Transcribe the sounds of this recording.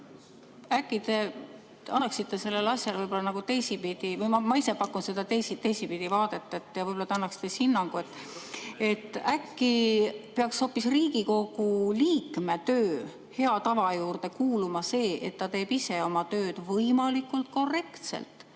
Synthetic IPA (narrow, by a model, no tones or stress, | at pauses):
ækːˑit̪e̞ | t̪eɑnːɑksit̪ːe̞se̞lːe̞lɑsjɑlvɤjbo̞lːɑnɑɡ̥ut̪e̞jsipid̪̥ivɯjmɑmɑisepɑkːˑunse̞d̪̥ɑt̪ejsit̪ːejsipid̪̥ivɑːd̪̥e̞t̪ːˑɑet̪ːˑjɑvɯjbolːɑt̪eɑnːɑksi̥t̪ːehinːɑŋɡ̥ue̞t̪ːˑ | e̞t̪ːˑækːipe̞ɑksho̞ːpːisriːɡ̥iko̞ɡ̥uliːkme̞t̪øː | he̞ɑt̪ɑvɑjuːrd̪̥e̞kuːlumɑse̞ːʔe̞t̪ːɑt̪e̞ːbise̞o̞mɑt̪øːd̪̥vɤjmɑlikːˑult̪̚ko̞re̞kt̪se̞̰lt̪ˑ